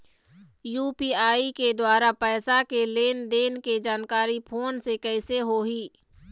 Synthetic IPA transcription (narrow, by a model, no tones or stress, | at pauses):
juːpiːaːiked̪waːɾapɛːsakeleːnd̪eːnked͡ʒaːnkaːɾipʰoːnsekɛɪseɦoɦiː